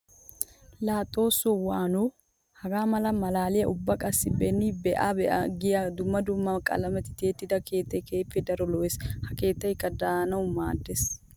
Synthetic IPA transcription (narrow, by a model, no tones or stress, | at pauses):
laːt̪ʼːo̞ːsːɔwaːno | hɐɡaːmɐlɐmɐlaːlɪjɐʔʊbːɐkʼɐsːɪbɛnːɪbɛʔabɛʔɐ̰ɡɪjad̪ʊmːɐd̪ʊmːɐkʼɐ̰lɐmɛt̪ɪ̥t̪e̞ːt̪ːɪd̪ɐke̞ːt̪ːɐjke̞ːpːɛd̪ɐɾɔlɔweːshɐke̞ːt̪ːɐjkːɐd̪aːnɐwmaːd̪ːes